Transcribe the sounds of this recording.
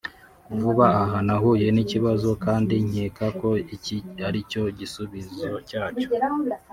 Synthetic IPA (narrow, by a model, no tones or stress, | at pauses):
vuβaaɦanaɦuːje̞niciβazo̞kaːndiɲ̥eːkako̞icihaɾico̞ɟisuβizocaːt͡ʃo̥